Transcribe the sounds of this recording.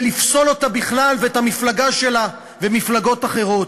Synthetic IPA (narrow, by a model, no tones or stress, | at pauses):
lifso̞lo̞tabiχlalveethamiflaɡaʃe̞la | vemiflaɡo̞taχe̞ʁo̞t